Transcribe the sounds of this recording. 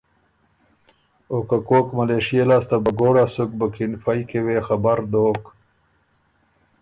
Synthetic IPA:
okakoːkmɐleʂijelaːst̪abɐɡoːɽasuk̚bəkinfajkewexabaɾd̪oːk

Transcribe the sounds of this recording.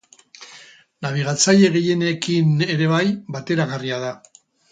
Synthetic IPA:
naβ̞iɣat͡saje̞ɣeje̞ne̞kine̞ɾe̞βajbat̪e̞ɾaɣariaða

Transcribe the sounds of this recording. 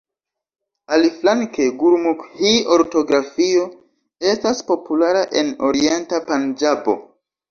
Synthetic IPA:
aliflaŋke̞ɡuɾmukhio̞ɾto̞ɡɾafio̞ | e̞staspo̞pulaɾaʔe̞no̞̰ɾie̞ntapand͡ʒabo̞̰

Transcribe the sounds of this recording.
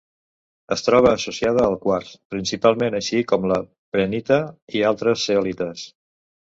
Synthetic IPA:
əst̪ɾɔβ̞əːsusiað̞əːlˠkwaɾspɾinsipalˠmenəʃikɔmlə | pɾənit̪əialˠt̪ɾəsːeɔlit̪əs

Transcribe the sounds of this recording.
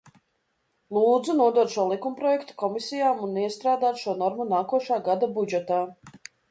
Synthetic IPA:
lˠuːd̪zunuɔd̪uɔt̪ʃuɔlˠikumpɾɔjɛkt̪u̥kɔmisijaːmunːiɛst̪ɾaːd̪aːt̪ʃuɔnɔɾmunaːkuɔʃaːɡad̪abud͡ʒɛt̪aː

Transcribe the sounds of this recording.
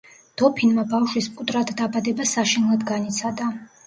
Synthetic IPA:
d̪̥ɔpʰinmabafʃwispʼut̪ʼɾad̪d̪abad̪ɛbasaʃinlˠad̪ɡanit̪sʰad̪a

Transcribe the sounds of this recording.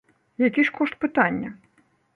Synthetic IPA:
jakʲiʂkɔʂt̪̚pɨt̪anʲːɐ

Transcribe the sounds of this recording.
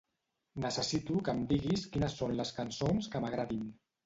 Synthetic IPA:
nəsəsit̪ukəmd̪iɣiskinəsːonləskənsonskəməɣ̞ɾaðim

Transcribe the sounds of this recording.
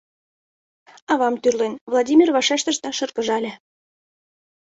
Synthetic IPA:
ɑβɑmt̪yrlenvlˠɑdʲimʲirβɑʃæʃt̪ə̆ʃt̪ɑʃɤ̆rkɤ̆ʒɑlʲĕ

